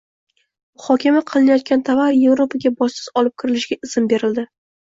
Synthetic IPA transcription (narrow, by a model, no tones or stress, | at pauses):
mʊhɒkʲʰamaqʰɨlˠɪnajɒt̪̚kʲant̪ʰavaɾje̞vɾopʰaɡʲabɒsɪz̥ɒlɪp̚kʲʰɪɾɪlɪʃɡʲaʔɪz̥ɪnbe̞ɾɪld̪ɪ